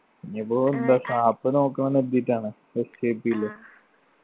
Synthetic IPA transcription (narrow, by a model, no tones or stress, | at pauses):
iɲːɐpːoːind̪asaːpːɨnoːkːɐɳɐned̪iʈːaːɳɨ | eseːpːilːo